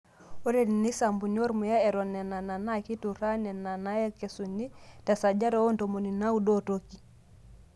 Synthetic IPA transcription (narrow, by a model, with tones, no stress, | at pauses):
o˦ɾe˨ni˨ni˦sa˨mbu˨nio˦ɾmu˨ja˦ɛ˨ɾɔ˨nɛ˨na˨na˨na˦ki˦tu˨ɾa˦nɛ˨na˨na˦jɛ˦ke˨su˨ni˦ta˨sa˨d͡ʒa˦ɾɛ˦o˦nto˨mo˨ni˨na˦u˦do˦to˦ki˦